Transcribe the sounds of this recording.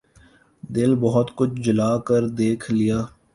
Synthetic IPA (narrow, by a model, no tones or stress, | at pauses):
d̪ɪlbɔɦʊt̪kʊt͡ʃʰd͡ʒʊlaːkəɾd̪eːkʰlɪjaː